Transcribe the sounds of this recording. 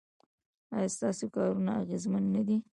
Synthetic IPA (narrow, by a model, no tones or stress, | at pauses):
a̰jast̪ɑsekɑɾunaaɣezmanːad̪i